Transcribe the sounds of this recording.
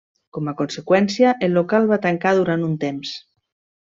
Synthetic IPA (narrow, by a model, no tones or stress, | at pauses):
kɔmakonsekwɛnsjaʔelːokalˠβat̪aŋkaðuɾant̪unt̪ems